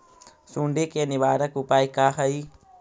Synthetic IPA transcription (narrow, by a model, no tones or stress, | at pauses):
suɳɖekeniʋaːɾɐkupajkaːɦɐi